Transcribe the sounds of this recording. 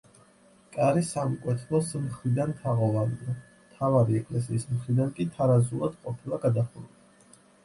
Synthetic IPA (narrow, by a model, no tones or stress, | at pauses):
kʼaɾisamkʼwɛt̪ʰlˠɔsmχɾid̪ant̪ʰaʁɔvaniamt̪ʰavaɾiɛkʼlɛs̬iːsmχɾid̪ankʼit̪ʰaɾazulˠad̪̥qʼɔpʰilˠaɡad̪aχulu